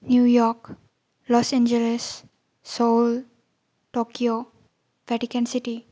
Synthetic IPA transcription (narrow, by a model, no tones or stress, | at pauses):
njuːjɔɾk | lɔsɛ̃nd͡ʒelesː | ol | ʈoːkio | ʋɛʈikə̃nsiʈi